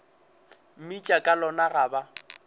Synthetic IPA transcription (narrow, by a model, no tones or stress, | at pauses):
m̩mit͡ʃʼakʼalɔnaɣaːba